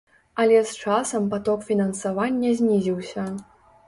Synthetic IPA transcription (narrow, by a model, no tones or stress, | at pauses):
ɐlʲɛst͡ʂasɐmpat̪ɔkfʲinɐnsavanʲːɐzʲnʲizʲiwsʲɐ